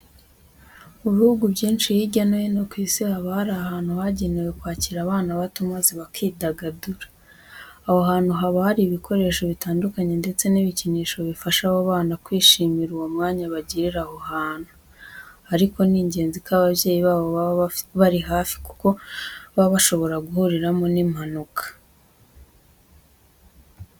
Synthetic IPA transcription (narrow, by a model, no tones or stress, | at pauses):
uβihuɡubɟiːnʃijiɟanajenokwiːsihaβahaɾaːhaːnhuhaɟe̞newe̞kwaːciɾaβaːnaβatumaziβakʰiːdaɡaduɾḁː | ho̞ɦaːn̥uɦaβahaɾiːβikʰo̞ɾe̞ːʃo̞βitaːndukaɲe̞nde̞t͡se̞niβiciniːʃo̞βifaʃahoβaːnakwiːʃiːmiɾuwomŋaːɲaβaɟiɾiɾaho̞haːnhu | aɾiko̞niːɲɟe̞ːnzikaβaβje̞ːjiβaːβo̞ββaɾiɦaːfi̥ku̥ko̞βaβaʃo̞βo̞ɾaɡuhuɾiɾamo̞nimhanukḁ